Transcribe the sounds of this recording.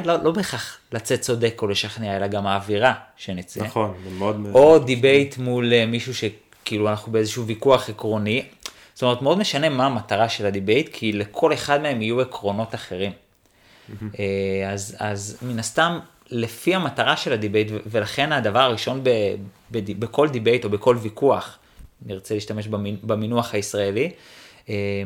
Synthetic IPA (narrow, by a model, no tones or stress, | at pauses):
lolo̞beχaχlat͡se̞t̚t͡so̞d̪e̞ko̞le̞ʃaχniae̞laɡamaːviʁaʃe̞nit͡senmeod̪o̞d̪ibejtmulemiʃuʃe̞ | kiiluanaχnubeezeʃuvikuaχekʁo̞ni | stome̞ʁt̪meod̪meʃane̞maːmataʁaʃe̞ladibe̞jtkʰile̞kʰo̞le̞χad̪me̞e̞mijue̞kʁo̞no̞taχe̞ʁim | eazazminast̪am | le̞fiamataʁaʃe̞lad̪ibejtveve̞laχe̞nad̪avaʁaʁiʃo̞nbe | bedibekʰo̞ld̪ibe̞jto̞be̞ko̞lvikuaχ | niʁt͡seliːʃtame̞ʃbamibeminuaχaisʁae̞li | e